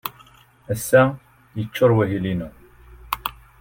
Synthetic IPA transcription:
æsːæ | jət͡ʃːʊɾˤwæɦilinu

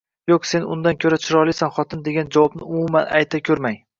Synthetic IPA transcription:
joksenʊ̰nd̪ankʲʰɵɾat͡ʃʰɪɾɒlˠɪsanχɒt̪ʰɪnd̪e̞ɡʲand͡ʒavɒbnɪʊmumana̰jt̪ʰakʲʰɵɾmaj

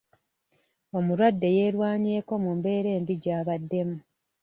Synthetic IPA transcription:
o̞muɾwadːe̞je̞ːɾwaːɲeːko̞mumbe̞ːɾe̞ːmbiɟaːβadːe̞mu

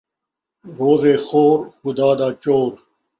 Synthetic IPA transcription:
ɾoːzeːxoːɾxʊd̪aːd̪aːt͡ɕoːɾ

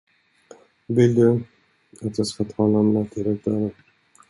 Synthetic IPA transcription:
vɪld̪ɵ | at̪jɑːskat̪ʰɑːlanːat̪ʰɪɾɛk̚d̪aɾə

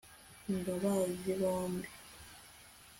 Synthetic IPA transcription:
ŋɡaβaziβoːmbi

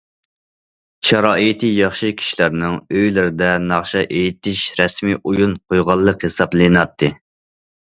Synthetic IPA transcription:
ʃɑɾɑːʔɨt̪ʰijɑχʃɨkʲʰi̥ʃilæɾnɪŋøjlɪɾɪd̪ɛnɑχʃɑʔejit̪ʰɪʃɾɛsmijʔujunqʰojʁɑlˠːəqhesɑblˠenɑt̪ʰːɨ

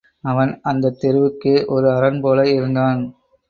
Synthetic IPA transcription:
ɐʋɐnɐnd̪ɐt̪ːɛɾɯʋɯkːɯʔɔɾɯɐɾɐnpoːlɐɪɾɯnd̪aːn

